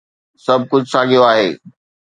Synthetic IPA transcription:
sɐb̚ʱkʊd͡ʑʱsaːɡʱijoaːɦeː

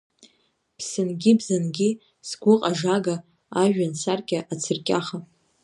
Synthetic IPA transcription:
pʰsɨnɡʲibzanɡʲi | sɡʷʊqʼaʐaɡa | aʒᶣansarkʲʼaʔat͡sʰɨrkʲʼaχa

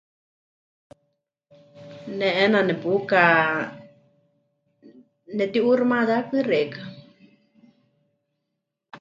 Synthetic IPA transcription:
nɛʔɛnanɛpuka | nɛt̪iʔuɾmaðakɨreka

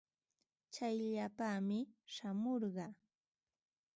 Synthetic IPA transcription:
t͡ʃajʎapaːmɪʃamoɾɢɑ

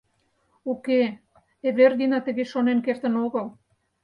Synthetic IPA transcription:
uke | eβerd̪inɑt̪əɣeʃonenkert̪ə̆noɣəl

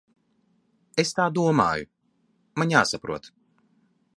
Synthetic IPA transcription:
est̪aːd̪uɔma̰ːju | maɲja̰ːsapɾuɔt̪

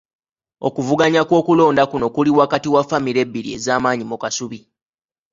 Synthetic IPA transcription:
o̞̰kuvuɡaɲakwo̞ːkulo̞ːndakuno̞kuliwakatiwafamiɾe̞bːiɾie̞̰zaːmaːɲimukasuβi

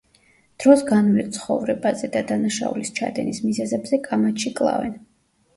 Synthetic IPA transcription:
d̪̥ɾɔsɡanvlɛt̪sʰχɔ̰vɾɛbazɛd̪ad̪anaʃa̰ṵlist͡ʃʰa̰d̪ɛnismizɛzɛbzɛkʼamat̪ʃikʼlˠa̰vɛ̰n

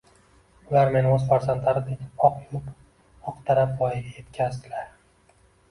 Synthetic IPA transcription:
ʊlaɾme̞nɵzfaɾzant̪ʰlaɾɪd̪ɪɒqʰjʊp | ɒqt̪ʰaɾap̚bɒjɪɡʲaje̞t̪kʲʰazd̪ɪlaɾ

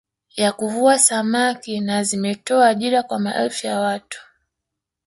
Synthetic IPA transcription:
jakuvuasamakinazimɛtɔaːʄiɾakwamaʔɛ̰lfijawatu̥

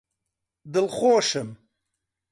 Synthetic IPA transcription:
d̪ɨlχoːʃɨm

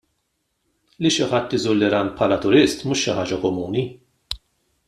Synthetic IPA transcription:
liʃɪħɐt̪ːɪzuːlːɪɾɐːnpħɐlɐt̪ʊɾɪst̪muːʃːɪħɐːd͡ʒɐkɔmuːni

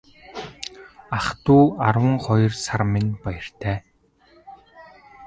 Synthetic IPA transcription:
aχt̪uːarwə̆ŋχɔjɞ̆rsarmɪnpajə̆r̥t̪ʰæː

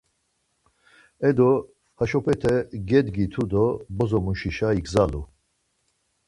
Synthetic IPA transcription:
ɛd̪ɔ | haʃɔpʰʼɛt̪ʰɛɡɛd̪ɡit̪ʰud̪ɔbɔzɔmuʃiʃaiɡzalu

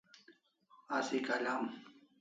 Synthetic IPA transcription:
asikalam

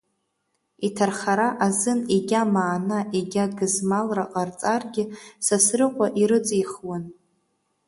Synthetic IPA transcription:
itʰarχaɾaʔazɨniɡʲamaːnaʔiɡʲadɡɨzmalraqʼart͡sʼarɡʲɪsasrɨqʷʼaʔiɾɨt͡sʼiχwan

